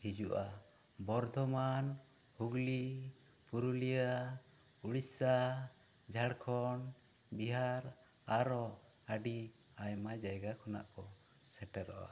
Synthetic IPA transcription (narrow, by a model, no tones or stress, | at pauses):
hid͡ʒuʔa | bɔɾd̪ʱɔmanhuɡlipuɾulija | uɽisa | d͡ʒʱaɽkʰɔnbiɦaɾaɾɔəɖiajmad͡ʒajɡakʰɔna̰ʔkɔ | sɛʈɛɾɔʔa̰